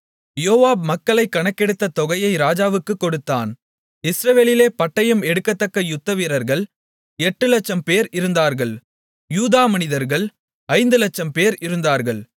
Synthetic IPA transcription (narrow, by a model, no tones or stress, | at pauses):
joːʋaːbmɐkːɐɭɐɪkːɐɳɐkːɛɽɯt̪ːɐt̪ɔɣɐjɐɪɾaːd͡ʒaːʋɯkːɯkːɔɽɯt̪ːa̰ːn | ɪsɾɐʋeːlɪleːpɐʈːɐjɯmɛɽɯkːɐt̪ːɐkːɐjʊt̪ːɐʋiːɾɐɾɣɐɭ | ɛʈːɯlɐt͡ʃːɐmpeːɾɪɾɯnd̪aːɾɣɐɭ | juːðaːmɐnɪðɐɾɣɐɭ | ɐɪnd̪ɯlɐt͡ʃːɐmpeːɾɪɾɯnd̪aːɾɣɐɭ